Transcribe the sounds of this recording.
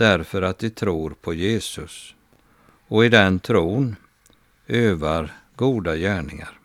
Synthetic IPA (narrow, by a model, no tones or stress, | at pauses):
æɾfœɾat̪d̪ɪt̪ʰɾuːɾpʰɔjeːsɵs | ɔɪd̪ɛnt̪ʰɾuːn | øːvaɾɡuːd̪ajæːɳɪŋa̰ɾ